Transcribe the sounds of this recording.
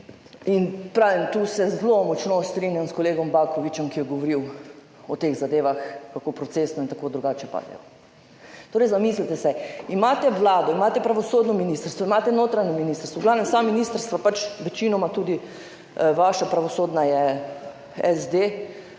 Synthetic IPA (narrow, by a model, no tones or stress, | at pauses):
inpɾaːʋimt̪uːsɛzlomɔt͡ʃnost̪ɾinjamskɔleːɡɔmbakɔʋit͡ʃɛmkijɛɡɔʋɔɾiw | ɔt̪eɣzad̪eːʋaxkakoːpɾɔt̪sesnɔint̪akoːd̪ɾuɡaːt͡ʃɛpa̰ːd̪ɛ̰jɔ̰ | t̪oːɾɛjzamislit̪ɛsɛimaːt̪ɛʋlaːd̪ɔimaːt̪ɛpɾaʋɔsoːd̪nɔminist̪əɾst̪ʋɔimat̪ɛnot̪ɾaɲɔminist̪əɾst̪ʋɔɡlaːwnɛmsaminiːst̪əɾst̪ʋapat͡ʃʋɛt͡ʃiːnɔmat̪uːd̪i | ʋaʃapɾaʋɔsoːd̪najɛ | ɛzd̪e